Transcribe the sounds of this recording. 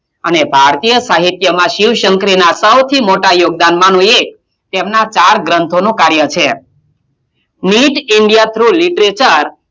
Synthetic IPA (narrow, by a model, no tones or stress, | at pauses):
ənebʱaɾt̪ijəsaɦit̪jəmãʃiʋʃəŋkɾinasəwt̪ʰimoʈajoɡ̚d̪anmãnũek̚ | t̪emnat͡ʃaɾɡɾənt̪ʰonũkaɾjət͡ʃʰe | niʈiɳɖijat̪ʰɾuliʈɾet͡ʃəɾ